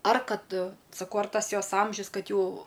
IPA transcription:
ɐr ˈkɐt sɐˈkɐʊ ɐr ˈtɐs ˈjoːs ˈɐmʲʒʲʊs ˈkɐt ˈjɛʊ

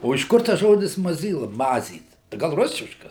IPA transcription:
oː ɪʃ ˈkʊr tɐs ˈʒoːdʲɪs mɐˈzʲiːlˠɐ ˈmɑːzʲiːt ɡɐlˠ ˈrʊsʲɪʃkɐs

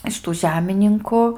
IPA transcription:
ɪʃ ˈtuː ˈʒʲæːmʲɪnʲɪŋkʊ

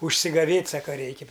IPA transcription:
ʊʃʲsʲɪɡɐˈʋʲeːtʲ ˈsɑːkɐ ˈrʲɛɪkʲɪ

